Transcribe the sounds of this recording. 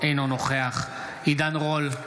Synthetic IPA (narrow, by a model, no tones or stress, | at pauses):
ejnonoχeaχ | id̪anʁol